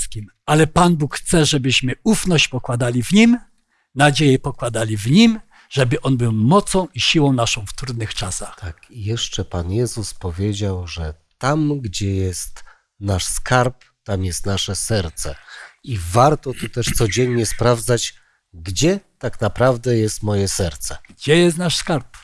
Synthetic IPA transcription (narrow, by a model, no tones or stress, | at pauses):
skʲim | alɛpanbukxt̪sɛʐɛbɘɕmɘufnɔɕt͡ɕpɔkwad̪alʲivɲim | nad͡ʑejɛpɔkwad̪alʲivɲim | ʐ̥ɛbɘʔɔnbɘwmɔt̪sɔ̃w̃ʔiɕiwɔ̃w̃naʂɔ̃w̃ft̪ɾud̪̚nɘxt͡ʂasaxt̪akijɛʂt͡ʂɛpanjɛzuspɔvʲjed͡ʑawʐɛ | t̪amɡd͡ʑɛjɛst̪ | naʂskaɾp | t̪amjɛst̪naʂɛsɛɾt̪sɛivaɾt̪ɔt̪ut̪ɛʂt̪sɔd͡ʑɛɲɲɛspɾavd̪zat͡ɕ | ɡd͡ʑɛt̪aknapɾavd̪ɛjɛst̪mɔjɛsɛɾt̪sɛɡd͡ʑɛjɛst̪naʂskaɾp